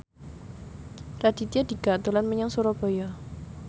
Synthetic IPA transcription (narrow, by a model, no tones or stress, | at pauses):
rad̥it̪iadiɡ̥at̪ulanməɲaŋsuɾɔb̥ɔjɔ